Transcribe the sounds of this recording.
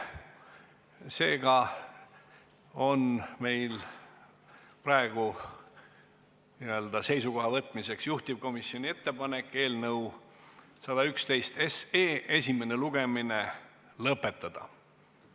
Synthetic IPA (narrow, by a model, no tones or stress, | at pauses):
se̞ːɡ̥ɑ | o̞nme̞jl | pɾɑe̞ɡ̥u | niø̞ld̪̥ɑse̞jsuko̞ɦɑvɤt̪ːˑmise̞ksjuht̪ib̥̚ko̞misjo̞nʲie̞t̪ːe̞pɑne̞kːˑe̞ːlnɤw | sɑd̪ɑykst̪e̞jst̪eseːe̞sʲimene̞luɡ̥e̞mine | lɤpːe̞t̪ːˑɑd̪̥ɑ̰